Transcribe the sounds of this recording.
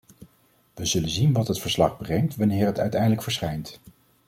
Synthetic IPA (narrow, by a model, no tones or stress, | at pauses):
ʋəzɵlənzinʋɑtɦətfəɹslɑχbrɛŋtʋɑnɪːɹɦətœ̰ɥtɛjdələkfəɹsχɛjnt